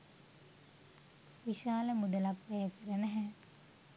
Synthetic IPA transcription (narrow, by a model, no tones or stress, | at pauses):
ʋiʃaːləmud̪əlapʋæjəkəɾənæɦɛ